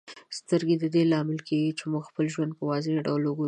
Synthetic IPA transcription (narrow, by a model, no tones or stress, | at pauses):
st̪əɾɡed̪əd̪elɑmɪlkeɡit͡ʃemuɡxpəlʒwand̪̚pəwɑzeɖawloɡu